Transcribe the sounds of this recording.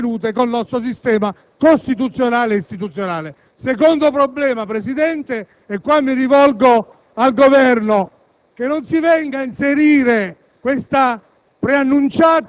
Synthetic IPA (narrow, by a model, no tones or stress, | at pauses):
nuːt̪̬ekonːɔst̪ɾos̬ist̪ɛːma | kost̪it̪̬ut̪sːjonaːleist̪it̪ut̪sːjonaːle | sekond̪opɾoblɛːmapɾesid̪ɛnt̪e | ɛkːwamːirivɔlɡo | alɡovɛrno | k̟enːonsivɛŋɡainseɾiːɾe | kwest̪a | pɾeanːunt͡ʃaːt̪